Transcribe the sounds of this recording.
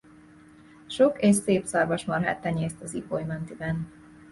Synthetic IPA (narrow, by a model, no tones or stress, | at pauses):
ʃokeːʃseːpsɒrvɒʃmɒrɦɛ̰t̪ːɛɲeːst̪ɒzipojmɛnt̪ibɛn